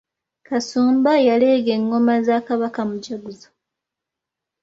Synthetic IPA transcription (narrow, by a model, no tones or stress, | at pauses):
kasuːmbajale̞ːɡeŋɡo̞mazaːkaβakamuɟaɡuzo